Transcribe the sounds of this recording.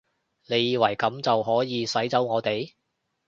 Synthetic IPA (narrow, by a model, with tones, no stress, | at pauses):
ne˨˧jːiː˨˧wɐ˨˩jkɐ˨˥mt͡sɐ˨wɦɔː˨˥jiː˨˧sɐ˨˥jt͡sɐ˨˥wŋɔː˨˧t̪e˨j